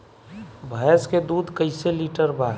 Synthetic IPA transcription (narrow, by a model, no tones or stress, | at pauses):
bʱəsked̪uːd̪kəɪseliːʈəɾbaːɾ